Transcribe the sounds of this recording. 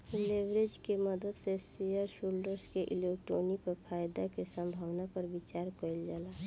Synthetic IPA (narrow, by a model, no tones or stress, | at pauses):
leʋɾed͡ʒkeməd̪əd̪sesijəɾsulɖəɾskeʔɪlekʈonipəɾpʰaːjd̪akesə̃mbʱaːʋnapəɾbɪt͡ʃaːɾkəild͡ʒaːla